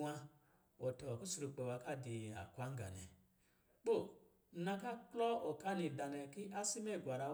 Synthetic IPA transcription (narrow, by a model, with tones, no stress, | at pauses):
a˧ | wɔ˨tɔ˨a˨ku˦su˧ɾu˧k͡pɛ˧wa˧ka˦˨di˧a̰˨kʷa˦ŋ̩˦ɡa̰˨nɛ̰̃˨ | k͡po˦˨˦ | nã˧ka˦˨klɔ˦ɔ˨ka˦nĩ˧˨da˨nɛ˧ki˦a˦si˦mɛ˦˨ɡwa˨ɾa˧